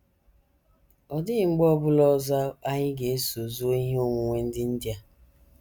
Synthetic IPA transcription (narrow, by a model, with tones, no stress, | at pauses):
ɔ˨dɪ˦ɪ˨ŋ͡m̩˦ɡ͡bɔ˦bʊ˦lɔ˦za˦a˦ɲɪ˦ɡe˨e˦so˨zu˦o˦i˦ɦe˦o˦ŋʷu˨ŋʷe˦n̩˦dɪ˦n̩˦dja˦